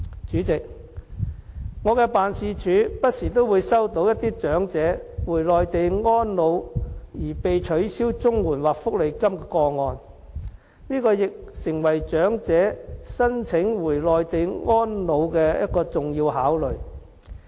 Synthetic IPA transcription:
t͡ʃyː˨˥t͡sɪ˨k̚ | ŋɔː˨˧kɛː˧paː˨nsiː˧t͡ʃʰyː˨˧pɐ˥t̚siː˨˩t̪o˥wwuː˨˧jsɐ˥wt̪o˨˧˥wjɐ˥t̪iː˥t͡ʃœː˨˥ŋt͡sɛː˨˥wuː˨˩jlɔː˨jt̪e˨jŋɔː˥nlo˨˧wjiː˨˩pe˨jt͡ʃʰɵ˨˥ɥsiː˥wt͡sʊ˥ŋwuː˨˩nwaː˨k̚fʊ˥k̚le˨˩jkɐ˥mkɛː˧kɔː˧ŋɔː˨˧n | niː˥kɔː˧jɪ˨k̚sɪ˨˩ŋwɐ˨˩jt͡ʃœː˨˥ŋt͡sɛː˨˥sɐ˥nt͡sʰɪ˨˥ŋwuː˨˩jlɔː˨jt̪e˨jŋɔː˥nlo˨˧wkɛː˧jɐ̰˥t̚kɔː˧t͡sʊ˨ŋjiː˧wɦaː˨˥wlɵ˨ɥ

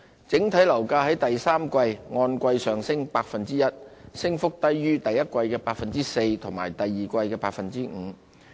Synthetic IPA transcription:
t͡sɪ˨˥ŋt̪ʰɐ˨˥jlɐ˨˩wkaː˧hɐ˨˥jt̪ɐ˨jsaː˥mkʷɐ˧jŋɔː˧nkʷɐ˧jsœː˨ŋsɪ˥ŋpaː˧k̚fɐ˨nt͡siː˥jɐ˥t̚sɪ˥ŋfʊ˥k̚t̪ɐ˥jːyː˥t̪ɐ˨jɐ˥t̚kʷɐ˧jkɛː˧paː˧k̚fɐ˨nt͡siː˥se˧jt̪ʰʊ˨˩ŋmaː˨˩jt̪ɐ˨jːiː˨kʷɐ˧jkɛː˧paː˧k̚fɐ˨nt͡siː˥ŋ̩ː˨˩˦

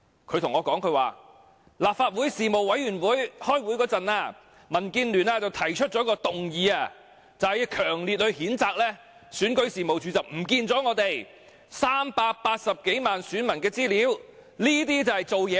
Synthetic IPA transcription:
kʰɵ˧ɥt̪ʰʊ˨˩ŋɔː˨˧kɔː˨˥ŋkʰɵ˧ɥwa̰ː˨ | laː˨p̚faː˧t̚wuː˨˥jsiː˨mo˨wɐ˨˥jyː˨˩nwuː˨˥jhɔː˥jwuː˨˥jkɔː˨˥t͡sɐ˨naː˧ | mɐ˨˩nkiː˧nlyː˨˩naː˧t͡sɐ˨wt̪ʰɐ˨˩jt͡ʃʰɵ˥t̚t͡sɔː˨˧˥kɔː˧t̪ʊ˨ŋjiː˨˧aː˧˩ | t͡sɐ˨hɐ˨jkʰœː˨˩ŋli˨t̚hɵ˧ɥhiː˨˥nt͡saː˧k̚lɛː˥ | syː˨˥nkɵ˨˥ɥsiː˨˩mo˨wt͡ʃyː˨˧t͡sɐ˨˩p̚m̩˨˩kiː˧nt͡sɔː˨˥ŋɔː˨˧t̪e˨j | saː˥mpaː˧k̚paː˧t̚sɐ˨p̚ke˨˥jmaː˨nsyː˨˥nmɐ˨˩nkɛː˧t͡siː˥liː˨˥wliː˥t̪̬iː˥t͡sɐ˨˩hɐ˨˩jt͡so˨wjɛː˨˧˥

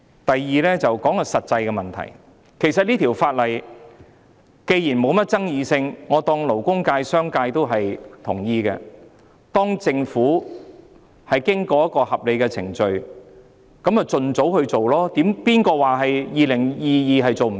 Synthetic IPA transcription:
t̪ɐ˨jːiː˨˧lɛː˥t͡sɐ˨wkɔː˨˥ŋkɔ˧sɐ˨t̚t͡sɐ˧jkɛ˧mɐ˨˩nt̪ʰɐ̰˨˩j | kʰe˨˩jsɐ˨t̚liː˥t̪ʰiː˨˩wfaː˧t̚lɐ˨˩j | ke˧jjiː˨˩nmo˨˧wmɐ˥t̚t͡sɐ˥ŋjiː˧sɪ˧ŋŋɔː˨˧t̪ɔː˧ŋlo˨˩wkʊ˥ŋkaː˧jsœː˥ŋkaː˧jt̪o˥wɦɐ˨jt̪ʰʊ̰˨˩ŋjiː˧kɛ̰˧ | t̪ɔː˥ŋt͡sɪ˧ŋfuː˨˥ | hɐ˨jkɪ˥ŋkɔː˧jɐ˥t̚kːɔː˧hɐ˨p̚le˨˧jkɛː˧t͡sʰɪ̰˨˩ŋt͡ʃɵ˧ɥ | kɐ˨˥mɐ˨˩t͡sɵ˨nt͡so˨˥whɵ˧ɥt͡so˨wlɔː˥t̪iː˨˥mpiː˥nkɔː˧waː˨˩ɦɐ˨jjiː˨˧lɪ˨˩ŋjiː˨˧jiː˨˧ɦɐ˨jt͡so˨wm̩˨˩

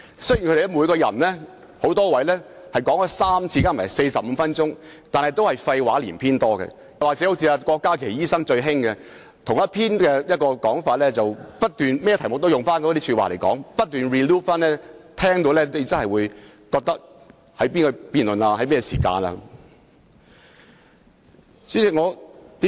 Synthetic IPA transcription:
sɵ˥jnkʰde˨˩ɛ˥muː˨˧jkɔː˧jɐ̰˨˩nlɛː˥ | ho˨˥wt̪ɔː˥wɐ˨˥jlɛː˥ | hɐ˨jkɔː˨˥ŋkɔ˧saː˥mt͡sʰiː˧kaː˥˩maː˨˩se˧jsɐ˨p̚m̩˨˧˦fɐ˥nt͡ʃʊ˥ŋt̪aː˨nhɐ˨jt̪o˥whɐ˨jfɐ˧jwaː˨˥liː˨˩npʰiː˥nt̪ɔː˥kɛ̰˧ | waː˨k̚t͡sɛ˨˦˥o˧˥wt͡sʰiː˧a˧kɔː˧kːaː˥kʰe˨˩jiː˥sɐ˥ŋt͡ʃɵ˧ɥɦɪ˥ŋkɛ˧ | t̪ʰʊ˨˩ŋjɐ˥t̚pʰiː˥nkɛː˧jɐ˥t̚kɔː˧kɔː˨˥ŋfaː˨t̚lɛː˥t͡sɐ˨˩wpɐ˥t̚t̪yː˨˩nmɛ˥jɛ˧t̪ʰjmʊ˨k̚t̪o˥wjʊ˨ŋfaː˥nkɔː˧˥t̪i˥sʰyː˧t̚waː˨le˨˩jkɔ̰ː˨˥ŋpɐ˥t̚t̪yː˨˩nɹiː˨˩luː˥t̚faː˥nlɛː˥t̪ʰɛː˥ŋt̪o˧wlɛː˥ne˨˧t͡sɐ˥nhɦɐ˨jwuː˨˧j | kɔː˧k̚t̪ɐ˥k̚ | hɐ˨˥jpiː˥nkɔ˧piː˨nlɵ˨naː˧hɐ˨˥jpiː˥kɔ˧sḭː˨˩ka̰ː˧na̰ː˧ | si˨˥ɪ˨ŋɔː˨˧t̪i˨˦

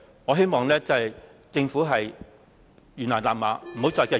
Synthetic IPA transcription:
ŋɔ˨˧ɦe˥jmɔː˨ŋlɛː˥t͡sɐ˨˩j | t͡sɪ˧ŋfu˨˥ɦɐ˨j | jy˨nlɔː˨˩nlaː˨p̚maː˨˥m̩˨˩ho˨˥wt͡sɔː˨˧jkɛː˧

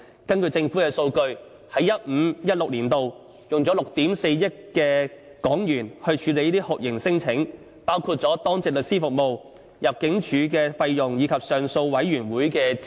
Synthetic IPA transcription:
kɐ˥nkɵ˧t͡sɪ˧ŋfu˨˥kɛː˧so˧wkɵ˧ɥ | hɐ˨˥jɐ˥t̚m̩˨˧jɐ˥t̚lʊ˨k̚liː˨˩nt̪o˨w | jʊ˨ŋt͡sɔ˨˥lʊ˨k̚t̪iː˨˥mse˧jjɪ˥t̚kɛː˧ | kɔː˨˥ŋjyː˨˩nhɵ˧ɥt͡ʃʰyː˨˧le˨˧jt̪iː˥hʊ˨k̚jɪ˨˩ŋsɪ˥ŋt͡sʰɪ˨˥ŋ | paː˥wkʰuː˧t̚t͡sɔː˨˥t̪ɔː˥ŋt͡sɪ˨k̚lɵ˨t̚siː˥fʊ˨k̚mo˨w | jɐ˨p̚kɪ˨˥ŋt͡ʃʰyː˨˥k̬ɛː˧fɐ˧jjʊ˨˩ŋjiː˨˧kʰɐ˨p̚sœː˨ŋso˧wwɐ˨˥jɥyː˨˩nwuː˨˥jkɛː˧

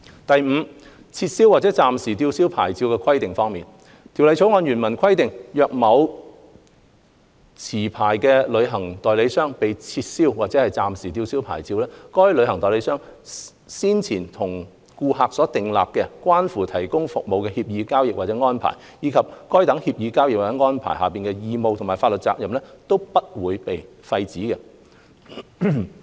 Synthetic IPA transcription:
t̪ɐ˨jm̩˨˧ | t͡sʰiː˧t̚siː˥waː˨t̚t͡sɛ˨˥t͡saː˨msiː˨˩t̪iː˧wsiː˥wpʰa̰ː˨˩jt͡siː˧wkɛː˧kʰɐ˥jt̪ɪ˨ŋfɔː˥ŋmiː˨n | t̪ʰi˨˩wlɐ˨˧jʰo˨˥wŋɔː˧njyː˨˩nmɐ˨˩nkʷʰɐ˥jt̪ɪ˨ŋjœː˨˧k̚mɐ˨˧w | t͡sʰiː˨˩pʰaː˨˩jkɛ˧lɵ˨˧ɥɦɐ˨˩ŋt̪ɔː˨jle˨˥jsœː˥ŋpe˨jt͡sʰiː˧t̚siː˥wwaː˨t̚t͡sɛː˨˥hɐ˨jt͡saː˨msiː˨˩t̪i˧wsiː˥wpʰa̰ː˨˩jt͡siː˧wlɛː˥kɔː˥jlɵ˨˧ɥhɐ˨˩ŋt̪ɔː˨jle˨˥jsœː˥ŋ | siː˥nt͡sʰiː˨˩nt̪ʰʊ˨˩ŋ | kuː˧ɦaː˨k̚sɔː˨˥t̪ɪ˨ŋlaː˨p̚kɛ˧kwaː˥nfuː˨˩t̪ʰɐ˨˩jkʊ˥ŋfʊ˨k̚mo˨˧wkɛː˧hiː˧p̚jiː˨˧kaː˥wjɪ˨k̚wa˨˩t͡sɛ˨˥ŋɔː˥npʰa̰ː˨˩j | jiː˨˧kʰɐ˨p̚kɔː˥jt̪ɐ˨˥ŋhiː˧p̚jiː˨˧kaː˥wjɪ˨k̚waː˨˩t͡sɛ˨˥ŋɔː˥npʰa̰ː˨˩jɦa̰ː˨˩piː˨˩nkɛ˧jiː˧mo˨˧wt̪ʰmaː˨˩faː˧t̚lɵ˨˩t̚t͡sa̰ː˧k̚jɐ˨mlɛ˥t̪o˥wpɐ˥t̚wuː˨˧jpe˨j | fɐ˧jt͡siː˨˥kɛ˧

